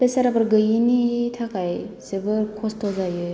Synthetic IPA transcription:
pesaɾabɯɾɡɯjinitʰakajsebɯɾkʰɔstʰɔzajɯ

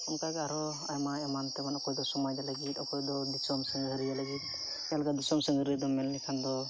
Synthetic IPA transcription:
ɔmkaɡaaɾɔ | ajmaɛmant̪ɛbanɔkɔjd̪ɔsɔmajd̪alaɡit̪ɔkɔjd̪ɔd̪isɔmsəŋɡəɾijalaɡit̪̚ˀ | jalɡad̪isɔmsəŋəɾid̪ɔmɛllɛkʰand̪ɔ

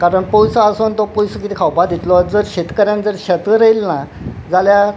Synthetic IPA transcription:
kaɾəɳpowsəasont̪ɔpowsəkit̪ʰikʰawpad̪ʱit̪lɔd͡zəɾɕet̪kəɾjãnd͡zəɾɕət̪əɾəjlna | d͡zalja

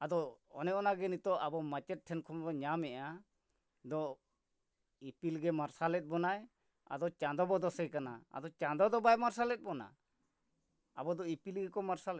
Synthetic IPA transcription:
ad̪ɔɔ̰nɛɔnaɡɛnit̪ɔʔabɔmat͡ʃɛt̪̚ʈʰːɛnkʰɔmdɔɲamɛʔa | d̪ɔ | ipilɡɛmaɾsalɛt̪̚ˀbɔnaj | a̰d̪ɔt͡ʃãd̪ɔbɔd̪ɔsɛjkanaa̰d̪ɔt͡ʃãd̪ɔd̪ɔbajmaɾsalɛt̪̚ˀbɔna̰ | a̰bɔd̪ɔipilɡɛkɔmaɾsalɛ

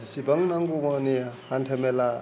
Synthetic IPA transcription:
sibaŋnaŋɡumanihantʰemela

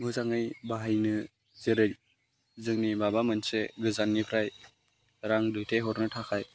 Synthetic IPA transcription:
mɯzaŋɯjbaɦajnɯ | zeɾɯj | zɯŋnibabamɯnseɡɯzanːipʰɾaj | ɾaŋdɯjtʰeɦɔɾnɯtʰakʰaj

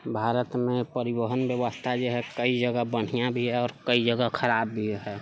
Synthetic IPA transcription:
bʱaːɾət̪mẽpəɾibəɦənbjəʋəst̪ʰad͡ʒoɦɛkəid͡ʒəɡəbəɽ̤ijãbʱiɦɛɔːɾkəid͡ʒəɡəkʰəɾaːbːʱiɦɛ

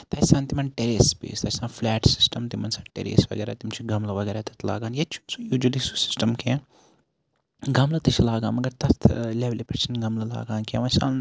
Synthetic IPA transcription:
t̪ɐt͡ʃsãːnt̪imɐnʈeɾeːspḛːst̪ɐt͡ʃʰʲsãːnflɛːʈsi̥sʈɐmt̪imɐnsaːʈḛɾḛːsʋɐ̰ɡeːɾat̪imt͡ʃʰuɡɐmlɐʋɐɡeːɾat̪ɐt̪ʰla̰ːɡaːnjet͡ʃʰusujuːd͡ʒulisu̥si̥sʈɐmkʰẽːn | ɡɐmlɐt̪it͡ʃʰlaːɡaːnmɐɡɐɾt̪ɐt̪ʰleʋlipɐt͡ʃɐnɡɐmlɐla̰ːɡaːnkḛ̃ːʋɐsa̰ːn

